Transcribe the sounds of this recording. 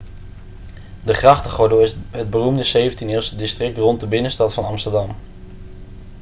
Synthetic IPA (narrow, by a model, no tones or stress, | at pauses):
dəχrɑχtəχɔdoɪɦəd̚bərumdəzejvəntinɪːsədɪstrɪk̚trɔntdəbɪnəstɑtfɑnɑmstədɑm